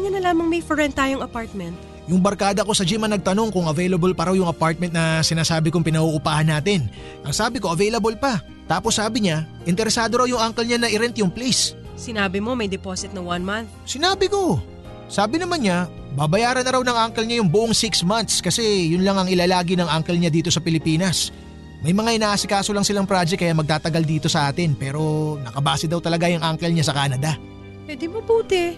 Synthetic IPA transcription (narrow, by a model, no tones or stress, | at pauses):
ɲɐnɐlaːmɐŋmɐjfoɹɛnt̪ːaːjoŋɐpaɹt̪̚mɛnt̪̚ | jʊŋbɐɾkaːd̪ɐko̞sɐd͡ʒimɐnɐɡ̚t̪ɐno̞ŋkʊŋɐvɛjlɐbolpɐɾawjʊŋɐpaɾt̪̚mɛnt̪̚nɐsɪnaːsaːbɪkʊŋpɪnɐuʔʊpaːhɐnːaːt̪ɪn | ʔɐŋsaːbɪko̞ʔɐvɛjlɐbolpɐ | t̪aːposːaːbɪɲaʔɪnt̪ɛɾɛsaːd̪o̞ɾawjʊŋʔaŋkɛlɲanɐʔɪɾɛnt̪jʊŋplejs | sɪnaːbɪmo̞mɐjd̪ɛpoːsɪt̪̚nɐwanmanθsɪnaːbɪko̞ | saːbɪnɐmanɲa | bɐbɐjaːɾɐnɐɾawnɐŋʔaŋkɛlɲajʊŋbʊʔoŋsɪksmant̪̚skɐsɛjʊnlaŋɐŋɪlaːlaːɡinɐŋʔaŋkɛlɲad̪iːt̪o̞sɐpɪlɪpiːnɐs | mɐjmɐŋaʔɪnaːʔɐsɪkaːsolɐŋsɪlaŋpɾad͡ʒɛkːɐjaːmɐɡ̚t̪aːt̪ɐɡald̪iːt̪o̞sɐʔaːt̪ɪnpɛːɾo̞nɐkɐbaːsɪd̪ɐwt̪ɐlɐɡajʊŋʔaŋkɛlɲasɐkaːnɐd̪ɐ | pwɛd̪ɪmɐbuːt̪ɛ